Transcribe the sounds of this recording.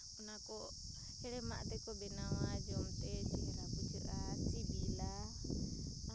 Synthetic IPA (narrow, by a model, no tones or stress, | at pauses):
unakɔ | ɛɺɛmaʔt̪ɛkɔbɛnawad͡ʒɔmt̪ɛd͡ʒimɛɾakut͡ʃiɾat͡ʃibila